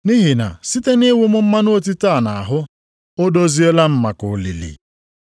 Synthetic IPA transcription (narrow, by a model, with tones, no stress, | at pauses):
ni˦ɦi˨na̰˨si˦te˦ni˦wʊ˦mʊ˦m̩˦ma˦no˦o˦t̬i˦ta˦˨na˨a˨ɦʊ˦ | o˦do˦zi˦e˦la˦m̩˦ma˨kʊ˨lḭ˨lḭ˨